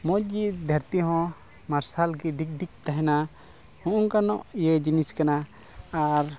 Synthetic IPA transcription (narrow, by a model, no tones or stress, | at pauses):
mɔd͡ʒɡid̪ʱaɾt̪iɦɔ̃ | maɾsalɡiɖik̚ɖik̚t̪aɦɛna | hɔ̃ʔuŋkanɔʔjɛd͡ʒiniskana | aɾ